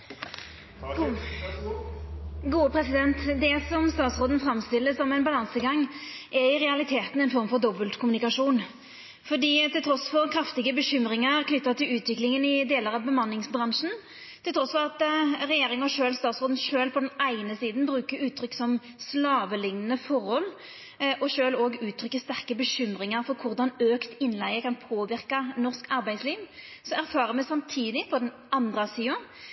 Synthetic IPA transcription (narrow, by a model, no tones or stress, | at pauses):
ɡuːəpʰɾɛsɪd̪ɛnt̪d̪ɛsɔmst̪ɑːt̪sʁoːd̪n̩fɾɑmst̪ɪlːəsɔmɛɪnbɑlɑnsəɡɑŋːʔɛɾɪʁɛɑlɪt̪ʰeːt̪nɛɪnfɔɾmfɔɾd̪ɔbəlt̪kʰʊmʉnɪkɑʂuːn | fɔd̪iːt̪ɪlt̪ʰɾɔsfɔʁkʰɾɑft̪ɪɡəbəɕʏmɾɪŋəkʰnʏt̪ːɑt̪ʰɪlʉːt̪ʋɪklɪŋənɪd̪eːləɾɑbəmɑnːɪŋsbɾɑnʂn̩ | t̪ʰɪlt̪ʰɾɔsfɔʁɑt̪ʁɛjeːɾɪŋɔʃøːlst̪ɑːt̪sʁoːd̪n̩ʃøːlpʰɔd̪ɛnæɪnəsiːd̪n̩bɾʉːkəɾʉːt̪ʰɾʏksɔm | slɑːʋəlɪŋːənəfɔʁhɔl | ʔɔʃøːloːɡʉːt̪ʰɾʏkːəst̪æʁkəbəɕʏmɾɪŋəɾfɔɾkʰʊʁd̪ɑnøːkt̪ɪnlæɪɡəkʰɑnpʰoːʋɪʁkɑnɔʁskɑɾbæɪsliːʋsɔæʁfɑːɾəmɛsɑmt̪ʰiːd̪ɪpʰɔd̪ɛn | ʔɑnd̪ʁəsiːʊ